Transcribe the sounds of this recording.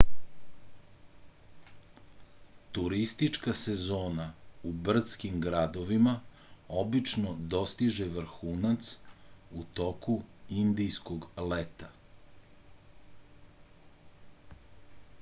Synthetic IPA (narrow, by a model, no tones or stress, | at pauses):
t̪uɾist̪it͡ʂkasezoːnaubr̩t̪skimɡɾad̪oʋima | obit͡ʃnod̪o̞st̪iʒeʋr̩xuːnat̪sut̪okuind̪ijskoɡlet̪a